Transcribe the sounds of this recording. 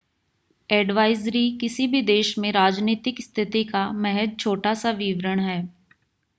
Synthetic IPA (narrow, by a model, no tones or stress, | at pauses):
ɛːɖʋaːɪzɾikɪsibʱid̪eːʃmẽɾaːd͡ʒniːt̪ɪkst̪ʰɪt̪ikamɛɦɛd̪̚t͡ʃʰoːʈasaʋiʋɾəɽ̃ɦɛː